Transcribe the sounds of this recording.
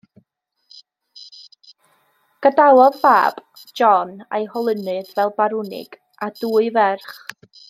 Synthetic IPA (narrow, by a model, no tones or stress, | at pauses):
ɡ̥ədawɔðva̰ːb̥ | d͡ʒɔnḛjhɔlˠənɨðvɛlˠbaɾʊnɪ̰ɡ̥ | ʔaduːɨvɛrχ